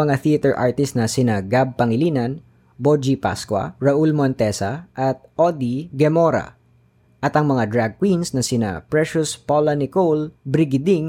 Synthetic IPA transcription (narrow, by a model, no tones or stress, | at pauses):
ɐŋaθiɐt̪ɛɹʔa̰ɹt̪ɪst̪nɐsɪnaɡab̚pɐŋɪliːnɐn | bod͡ʒipa̰skwɐ̰ɹɐʔulmont̪ɛsɐʔɐt̪̚ʔod̪iɡɛmoɾɐ̰ | ʔɐt̪ɐŋmɐŋad̪ɹaɡ̚kwinsnɐsɪna̰pɹɛʃʊspolɐnɪkolbɾɪɡɪd̪iŋ